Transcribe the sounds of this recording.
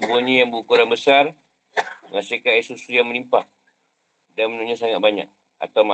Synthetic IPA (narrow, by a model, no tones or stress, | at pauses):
buɲĩjaŋbuukuɾaŋbəsar | məŋasikaisusujaŋmənimpaʔ | danmənuɲãsaŋat̪̚baɲa̰k̚ | a̰t̪awma